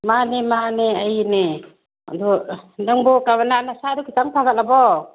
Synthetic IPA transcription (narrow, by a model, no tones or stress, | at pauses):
manemaneajne | a̰dunaŋbɔkamananasadukʰitaŋpʰaɡat̚labɔ